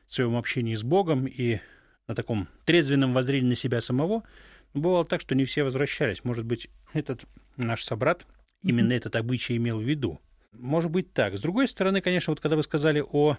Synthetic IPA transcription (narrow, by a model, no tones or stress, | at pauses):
svɐjo̞mɐpɕːenʲɪjɪzbo̞ɡəmi | nət̪ɐko̞mt̪ɾʲe̞d̪zvʲɪnːəmvɐzɾʲenʲɪːnəsʲɪbʲasəmɐvo̞ | nobɨvalˠət̪akʂt̪onʲɪfsʲevəzvɾɐɕːælʲɪsʲmo̞ʐɨd̪̚bɨtʲ | ɛt̪ət̪ | naʂsɐbɾat̪ | imʲɪnːəɛt̪ət̪ɐbɨt͡ɕɪjɪmʲelˠvʲːɪd̪ṵ | mo̞ʐɨt̪̚bɨt̚ʲt̪akzd̪ɾʊɡo̞jst̪əɾɐnɨkɐnʲe̞ʂnəvot̪kɐɡd̪avɨskɐzalʲɪʔo